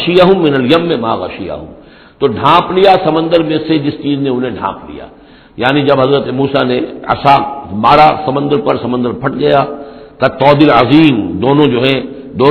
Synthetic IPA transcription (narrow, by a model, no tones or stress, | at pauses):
ʃɪjaɦʊ̃mːɪnɐljɐmːẽmaːɣɐ̰ʃɪja̰ɦʊ̰̃m | t̪oːɖʱãːplijasɐmə̃nd̪əɾmẽsed͡ʒɪst͡ʃiːznẽʊnɦẽɖʱã̰ːplḭja̰ː | jaːnid͡ʒɐbɦɐzɾət̪emuːsaneɐ̰samaːɾasɐmə̃nd̪əɾpɐɾsɐmə̃nd̪əɾpʰɐʈɡɐjaːt̪ɐt̪ɔːd̪ɪləziːmd̪oːnõd͡ʒoːɦɛ̃ | d̪oː